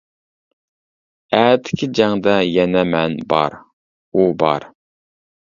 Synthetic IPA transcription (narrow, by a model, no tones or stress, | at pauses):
æt̪ʰɪ̥kʲʰɪd͡ʒɛŋd̪ɑjɛnɛmɛnbɑ̰ɾ | ubɑɾ